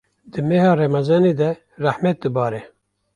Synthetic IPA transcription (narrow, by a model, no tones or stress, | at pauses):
d̪ɨmeːhɑːɾɛmɛzɑːneːd̪ɛ | ræhmɛt̪̚d̪ɨbɑːɾɛ